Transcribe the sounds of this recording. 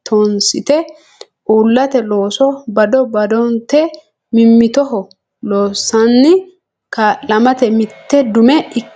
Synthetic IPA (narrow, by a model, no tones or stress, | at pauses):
t̪ʰonsɪt̪ɛ | ʔuːlːɐt̪ɛlo̞ːsɔbɐd̪ɔbɐd̪ɔnt̪ɛ | mɪmːɪt̪ɔɦɔ | loːsːɐnːɪ | kaːlɐmɐt̪ɛmɪt̪ːɛd̪ʊmɛɪ